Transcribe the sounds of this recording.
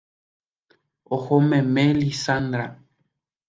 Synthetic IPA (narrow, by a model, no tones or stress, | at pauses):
ohomẽmẽlisand̪ɾa